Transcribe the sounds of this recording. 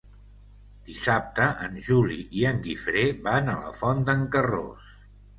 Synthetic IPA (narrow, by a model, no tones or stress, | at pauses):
d̪̥isap̚t̪əʔənʲʒuliʔiəŋɡifɾeβanələ̰fɔnd̪əŋkəro̰s